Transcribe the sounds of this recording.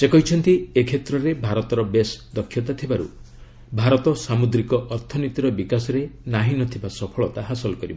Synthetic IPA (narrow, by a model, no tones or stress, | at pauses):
sekɔɦit͡ʃʰɔnt̪iekʰet̪ɾɔɾebʱaɾɔt̪ɔɾɔbesd̪ɔkʰːjɔt̪at̪ʰibaɾṵ | bʱaɾɔt̪ɔsamud̪ɾikɔʔɔɾt̪ʰɔnit̪iɾɔbikasɔɾenaɦinɔt̪ʰibasɔpʰɔɭɔt̪aɦasɔlɔkɔɾibɔ